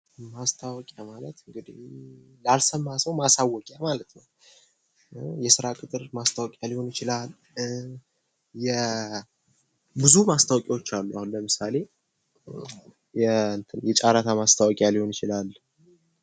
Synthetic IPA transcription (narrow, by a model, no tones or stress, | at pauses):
mast̪ʰawɔkʼjamalət̪ɨŋɡɨd̪ih | lalsəmːasəwmasawːɔkʼjamalət̪nəw | jɛsɨɾakʼɨt̪ʼɨɾmast̪ʰawɔkʼjaliho̞nɪt͡ʃɪlal | jɛ | bɨzumast̪ʰawɔkʼewot͡ʃːalːujahunləmɨsale̞ | jɛnt̪ʰənjɛt͡ʃʼaɾat̪ʰamast̪ʰawɔkʼjaliho̞nɪt͡ʃɪlal